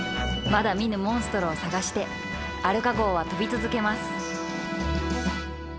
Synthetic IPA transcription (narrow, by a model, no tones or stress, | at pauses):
mad̪amʲinɯ̟mõ̞ɰ̃sɨ̥t̪o̞ɾoːsaɡaɕi̥t̪e̞ | aɾɯ̟kako̞ːβat̪o̞bʲit͡sɨzɨke̞masɨ̥